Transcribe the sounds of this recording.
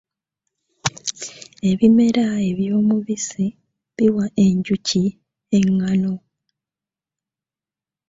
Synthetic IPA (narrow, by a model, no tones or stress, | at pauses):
e̞βime̞ɾae̞βjo̞ːmuβise | βiwaʔe̞ɲɟuci | eŋːano̞